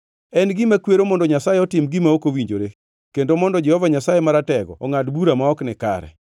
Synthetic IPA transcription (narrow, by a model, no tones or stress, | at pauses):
ɛnɡɪmakweɾomɔndɔɲasajeɔtɪmɡimaokowiɲd͡ʒoɾe | kendomɔndɔd͡ʒɛhɔvaɲasajemaɾatɛɡɔ̰ɔŋatbuɾamaɔknɪka̰ɾɛ̰